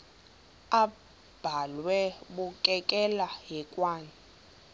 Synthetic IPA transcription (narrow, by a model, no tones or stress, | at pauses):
a | b̥ʱalwɛɓukʼɛkʼɛlaɦɛkʼwaːni